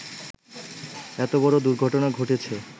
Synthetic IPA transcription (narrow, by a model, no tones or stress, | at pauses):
ɛt̪obɔɾod̪uɾɡʱɔʈonaɡʱoʈet͡ɕʰe